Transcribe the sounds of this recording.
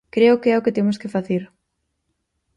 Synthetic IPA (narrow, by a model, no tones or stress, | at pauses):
kɾeʊkeɛʊkɪt̪emʊskɪfaθeɾ